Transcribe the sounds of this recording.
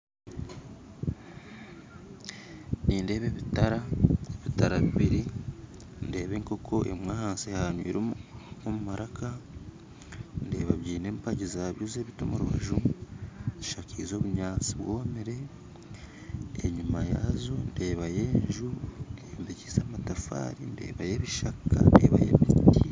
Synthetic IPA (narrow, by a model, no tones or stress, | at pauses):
niːnde̞ːβe̞βitaɾaeβitaɾaβiβiɾi | nde̞ːβeŋko̞kʰo̞ʔemŋwaːhaːnsehaɲwḭːɾoomumaɾaka | nde̞ːβaβɟiːne̞ːmpaɟizaːβjuzeβitomuɾuβa̰ʒu | z̥iʃakʰizo̞ːβuɲaːt͡si̥βwomiɾe̞ | eɲumajazonde̞ːβaje̞ːɲɲʒuembicizaːmatafa̰ɾinde̞̰ːβaje̞βiʃaka̰ndḛːβa̰jḛmitii